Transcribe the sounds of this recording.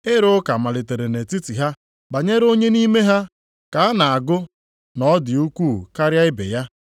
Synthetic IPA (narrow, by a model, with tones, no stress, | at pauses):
ɪ˦ɾʊ˦ka˨ma˨lɪ˨te˨ɾe˨ne˨ti˦ti˨ɦa˦ | ba˨ɲe˦ɾo˦ɲe˦ni˦me˦ɦa˦ | ka˨a˦na˨a˨ɡʊ˦ | nɔ˦dɪ˨u˦kʷuː˦˨ka˦ɾja˦ɪ˦bḛ˨ja˦